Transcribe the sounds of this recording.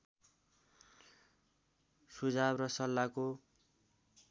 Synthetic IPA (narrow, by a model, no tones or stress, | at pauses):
sud͡zabrʌsʌlːako